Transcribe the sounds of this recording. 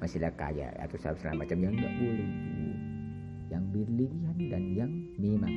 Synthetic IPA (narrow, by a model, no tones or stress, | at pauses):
masilaka̰ja̰a̰t̪usaap̚sala̰mat͡ʃamjaŋŋɡaʔbolɛhlṵ | jaŋbirliliɦandanjaŋmima